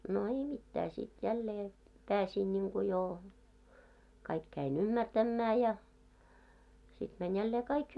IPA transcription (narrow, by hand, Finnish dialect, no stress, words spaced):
no ei mitːæː sit jælːeː pæːsiˑn nʲiŋku joː kɑik kæinʲ ymːærtæmːæː jɑ sit mænʲ jælːeː kɑik